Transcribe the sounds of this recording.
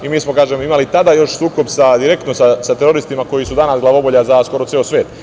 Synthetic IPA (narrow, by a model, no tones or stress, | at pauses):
imiːsmo̞kaːʒemimalit̪ad̪aːjo̞ʃsuːko̞bsad̪iɾe̞k̚t̪nosasat̪eɾo̞ɾist̪imako̞jisud̪anasɡlaʋo̞boʎazasko̞ɾo̞t̪eːosʋʲeːt̪